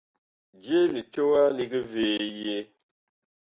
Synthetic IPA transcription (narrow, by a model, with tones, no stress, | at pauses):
d͡ʒe˦li˨to˦wa˦li˨ɡi˦ve˨je˦